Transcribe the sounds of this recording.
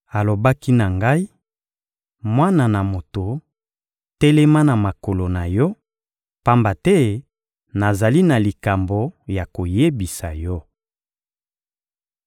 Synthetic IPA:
a˨lo˨ba˦ki˦na˨ŋɡa˦i˦ | mwa˦na˨na˨mo˨to˨ | tɛ˦lɛ˦ma˦na˨ma˨ko˨lo˨na˨jɔ˦ | pa˦mba˨tɛ˦ | na˨za˨li˦na˨li˨ka˨mbo˨ja˨ko˨je˦bi˨sa˨jɔ˦

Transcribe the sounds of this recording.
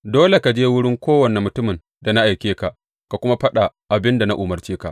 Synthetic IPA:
doː˦le˨ka˨d͡ʒeː˦wʊ˦ɽɪ˦ŋkʷʰoː˦wɐ˨ne˨mʊ˨tʊ˦mɪ˨n | da˨na˦ʔa˨jkʲeː˦ka˨ʔ | ka˨kʷʊ˦ma˦ɸɐ˦ɗa˨ʔa˨bɪ˦nda˨na˦ʔʊ˨mɐ˨rt͡ʃeː˦ka˨ʔ

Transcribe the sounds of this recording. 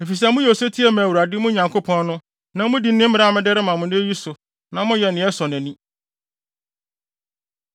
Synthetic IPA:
e˨fi˨s̬ɛ˦mʊ̃˦jɛ˨o˨se˦tʰi˦ɛ˦mæ̃˨wu˨ɾa˨dɪ˦mʊ̃˦ɲã˨ŋkʰo˦pʰɔ̃˦nːʊ̃˦ | nã˨mʊ̃˦di˨˦nɪ̃˦m̩˦mɪ˦ɾa˦˨mɪ̃˦dɛ˦ɾɪ˦mã˨mʊ̃˨nʊ̃˦e˦ji˦sʊ˨ | nã˨mʊ̃˦jɛ˨nɪ̃˨˦ɛ˦sɔ˨n˨ɛ̃˨nĩ˦

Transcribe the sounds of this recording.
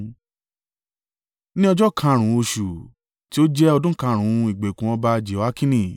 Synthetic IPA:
nĩ˦ɔ˧d͡ʒɔ˦kʰã˧˨ɾ̃ũ˨˦o˧ʃu˨ | ti˦o˦d͡ʒɛ˦ɔ˧dũ˦kã˧˨ɾ̃ũ˨˦i˨ɡ͡be˨kũ˨ɔ̃˧ba˧d͡ʒe˨˦wa˦kĩ˦nĩ˦˨

